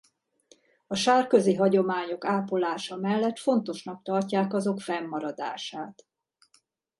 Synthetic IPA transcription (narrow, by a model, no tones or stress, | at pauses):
ɒʃaːrkø̞ziɦɒɟo̞maːɲo̞kaːpolaːʃɒmɛlːɛt̪fo̞nt̪o̞ʃnɒk̚t̪ɒrcaːkɒzo̞kfɛmːɒɾɒd̪a̰ːʃaːt̪